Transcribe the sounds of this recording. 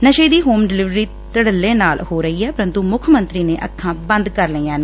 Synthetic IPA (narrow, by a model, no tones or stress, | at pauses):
nəʃəːd̪iːɦoːmɖɪlɪʋɾiː | t̪əɽəlːẽːnaːlhoːɾəɦiːɛːpəɾə̃nt̪ũːmʊkʰmənt̪ɾiːneːʔəkʰːãːbə̃nd̪kəɾləiːãːneː